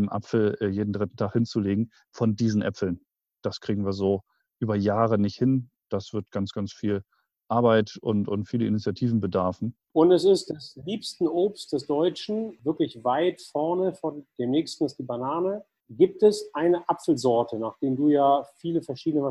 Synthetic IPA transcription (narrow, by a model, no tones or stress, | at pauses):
mʔa̰pfl̩ɛːjeːdn̩dʁɪtn̩tʰaːχhɪnt͡suleːɡŋ̩ | fɔndiːzn̩ʔɛ̰pfl̩n | d̥askʁ̥iːɡŋ̩viːɐzoː | ʔyːbɐjaːʁənɪçthɪn | d̥asv̥ɪɐt̚ɡ̥ant͡sɡ̥ant͡sfiːl | ʔaɐbaɪtʊ̰ntʊntfiːləɪnit͡sjatʰiːvn̩bədaɐfn̩ | ʔʊntɛsɪstd̥ɛsliːpstn̩ʔoːpsd̥ɛsd̥ɔʏt͡ʃn̩vɪɐklɪçvaɪtfɔɐnəfɔnd̥eːmnɛːçstn̩ɪstd̥iːbanaːnə | ɡiːp̚tɛsʔaɪnəʔapfl̩zɔɐtʰənaːχd̥eːmduːjaːfiːləfɛɐʃiːdənəva